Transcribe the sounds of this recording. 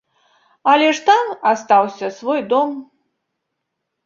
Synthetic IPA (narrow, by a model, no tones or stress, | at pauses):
ɐlʲɛʂt̪amast̪awsʲɐsvɔjd̪ɔm